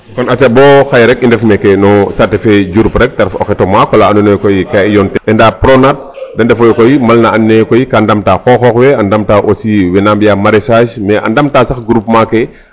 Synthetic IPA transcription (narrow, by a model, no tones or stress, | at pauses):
kɔnɐt͡ʃɐbɔːxajɾɛk̚indɛfmɛkɛnɔsatifɛɟuɾpɾɛk̚tɐɾfɔ̰xɛtɔmakwɔlaanunɛkɔjikaijɔntɛʔɛndaːpɾɔnat̚ | dɐndɛfɔjɔkɔjimɐlnɐɐnːɛkɔjikandɐmtaxɔxɔxwɛɐndɐmtaʔosiwɛnaːmbjamaɾɛsaːʃmɛʔɐ̰ndɐmtaːsɐxɡɾup̚makɛ